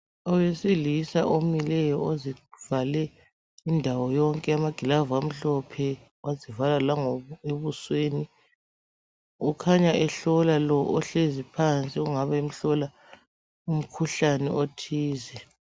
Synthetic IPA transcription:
ɔwesilisa̰ʔomilɛjɔozivalɛ | indʱawɔjɔŋkʼɛamaɡ̥ʱilavam̩ɬɔpʰɛ | wazivalalaŋɔɔeβusweːni | ukʰaɲaʔɛɬɔlalɔʔɔɬezipʰant͡sʼiuŋaβaim̩ɬɔla | um̩kʰuɬanɛ̰otʰiːzɛ

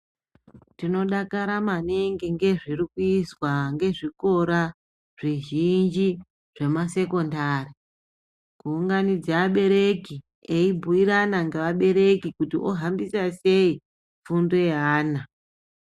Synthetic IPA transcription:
tino̞ɗakaɾamaneŋɡiŋɡe̞ʐirikuiswaŋɡe̞ʐiko̞ɾa | ʐ̥iʒind͡ʒi | ʐ̥e̞mase̞ko̞ndaːri | kuːŋɡanid͡zaːɓe̞ɾe̞ki | eibʱuiɾanaŋɡe̞ʋaɓe̞ɾe̞kikutiʔoɦambisase̞i | fundoeaːna

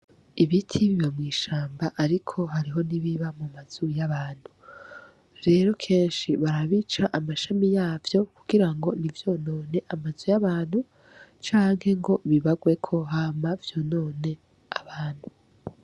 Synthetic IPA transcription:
iβitʰiβiβomŋiːʃaːmbaʔaɾikʰo̞ɦaɾiɦo̞niβiβamumaz̥ujaβaːn̥hu | ɾe̞ːɾo̞kʰe̞ːnʃiβaɾaβit͡ʃaʔamaʃamijaːvjo̞kuɡ̥iɾaŋɡo̞nivjo̞no̞ːne̞ʔamazujaβaːnhu | t͡ʃaːŋhe̞ŋɡo̞βiβaɡwe̞kʰo̞ɦamavjo̞no̞ːne̞ | aβaːn̥hu

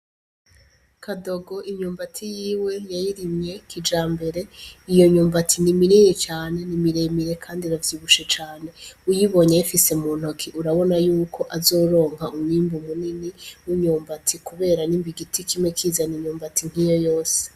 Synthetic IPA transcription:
kʰado̞ɡo̞ʔiɲuːmbatʰijiːwe̞jajiɾimɲe̞kʰid͡ʒaːmbe̞ɾe̞ijo̞ɲuːmbatʰinimiɾiɲet͡ʃaːne̞nimiɾemiɾe̞kʰaːndiɾavjiːβuʃet͡ʃaːne̞ujiβo̞ɲejafise̞muːn̥hokʰiʔuɾaβo̞najuːkʰo̞ʔazo̞ːɾo̞ːŋɦaumɲiːmbum̥uniniwiɲuːmbatʰikuβe̞ːɾanimbiɡitʰikʰimekʰiːzaniɲuːmbatiŋ̥ijo̞jo̞ːse̥

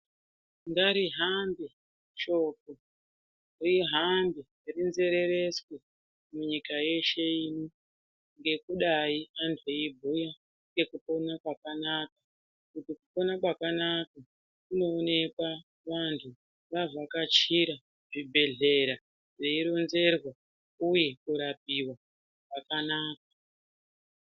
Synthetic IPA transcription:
ŋɡaɾiɦambe | ʃo̞ːko | riɦambe | rinze̞ɾe̞ɾe̞swe | muɲikaje̞ʃe̞ino | ŋɡe̞kuɗaiantʰweibʱuja | ŋɡe̞kupo̞nakwakanaka | kutikupo̞nakwakanaka | kuno̞ːne̞kwa | ʋantʰu | ʋavakat͡ʃiɾa | ʐibʱe̞ɮe̞ɾa | ʐeiɾo̞nze̞rwa | uje̞kuɾap̚iwa | kwakanaːk̚ḁ

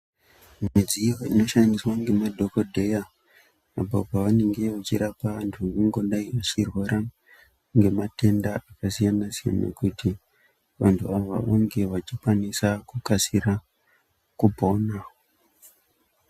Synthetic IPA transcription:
mmid͡zijo̞ḭno̞ʃandiswaŋɡe̞madʱo̞kodʱe̞ja | apapaʋane̞ŋɡe̞ʋat͡ʃiɾapaʋantʰuuŋɡo̞ndaiʋat͡ʃirwo̞ɾa | ŋɡe̞mate̞ndaakasijanasija̰nḛkuti | ʋantʰuaʋa̰oŋɡe̞ʋat͡ʃikwanisakukasiɾa | kupo̞na

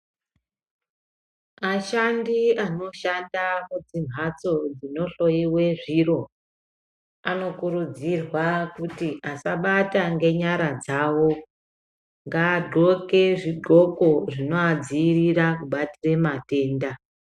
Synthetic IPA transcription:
aʃandiano̞ʃandamud͡zim̤ʱat͡so̞d͡zino̞ɬo̞jiwe̞ʐiro̞ | ano̞kuɾud͡zirwakutiʔasaɓataŋɡe̞ɲaɾad͡zawo̞ | ŋɡaːdʱo̞ke̞ʐiɡʱo̞ko̞ʐino̞ad͡ziːrirakuɓatiremate̞ːnda

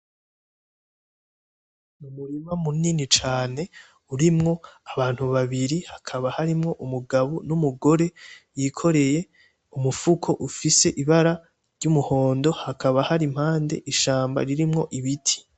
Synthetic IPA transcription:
mumuɾimamuninit͡ʃaːne̞ | uɾimŋo̞aβaːn̥huβaβiɾihakʰaβahaɾimŋo̞ʔumuɡaβunumuɡo̞ɾe̞jiːkʰo̞ɾe̞je̞ | umufukʰo̞ʔufise̞ʔiβaɾa | ɾɟumuho̞ːndo̞hakʰaβahaɾim̥haːnde̞̰ʔiʃaːmba̰ɾiɾimŋo̞ʔiβitʰi̥

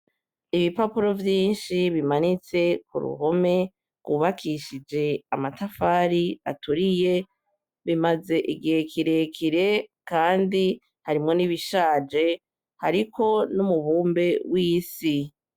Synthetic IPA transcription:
iβipapuɾo̞vjiːnʃiβimanit͡se̞kṵɾṵɦo̞me̞ | ɡuβakʰiʃid͡ʒe̞amatafaːɾia̰tuɾije̞ | βimaze̞ʔiɡiekʰiɾe̞kʰiɾe̞kaːndi | haɾimŋo̞niβiʃaːd͡ʒe̞ | haɾikʰo̞numuβuːmbe̞wiːsi

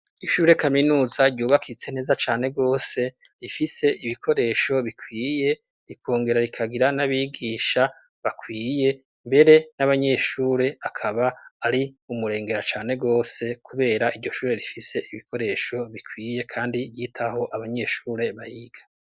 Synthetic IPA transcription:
iʃuːɾe̞kaminuːzaɾɟuːβakʰit͡sen̥e̞ːzat͡ʃaːne̞ɡo̞ːse̞ɾifise̞ʔiβikʰo̞ɾe̞ːʃo̞βikwiːje̞ | ɾikʰo̞ːŋɡe̞ɾaɾikʰaɡiɾanaβiːɡiːʃa | βakwiːje̞ | mbe̞ɾe̞naβaɲe̞ʃuːɾe̞akʰaβaːɾiumuɾe̞ːŋɡe̞ɾat͡ʃaːne̞ɡo̞ːse̞kʰuβe̞ːɾaʔiɾɟo̞ʃuːɾe̞ɾifise̞ʔiβikʰo̞ɾe̞ːʃo̞βikʰwiːje̞kʰaːndijitʰaho̞ʔaβaɲe̞ʃuːɾe̞βajiɡ̥ḁ

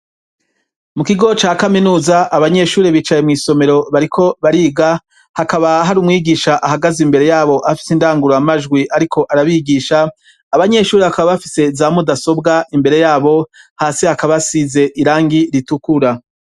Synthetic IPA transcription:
mukiɡo̞t͡ʃaːkaminuːzaʔaβaɲe̞ʃuːɾeβiːt͡ʃaje̞mŋiːso̞me̞ɾo̞βaɾikʰo̞βaɾiːɡa | hakaβaɦaɾumŋiːɡiːʃaʔaɦaɡazimbe̞ɾe̞jaːβo̞ʔafi̥sindaːŋɡuɾojamaʒɡwiʔaɾikʰo̞ʔaɾaβiːɡiːʃaː | βaɲe̞ːʃuːɾeβakaβaβafise̞zaːmudaso̞bɡaʔimbe̞ɾe̞jaːβo̞haːsihakaβasize̞ʔiɾaːŋɡiɾitukuɾa

